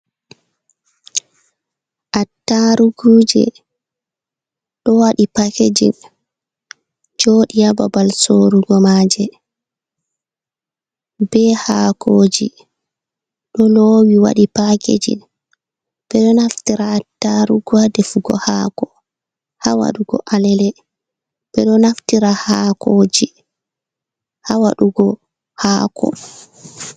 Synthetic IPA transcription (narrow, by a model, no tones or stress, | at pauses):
ʔatːaɾuɡuːd͡ʒɛ̰ | ɗɔwaɗipaked͡ʒḭn | d͡ʒoːɗijababalsoɾuɡɔmaːd͡ʒɛ | bɛhakʰoːd͡ʒi | ɗɔlowiwa̰ɗipakḛd͡ʒḭ | b̥ɛɗɔnaftiɾataɾuɡadɛfuɡɔ̰hakɔ | hawa̰ɗuɡɔ̰ʔalɛlɛ | b̥ɛɗɔnaftiɾahakʰoːd͡ʒi | hawaɗuɡɔ | haːkʰɔ̰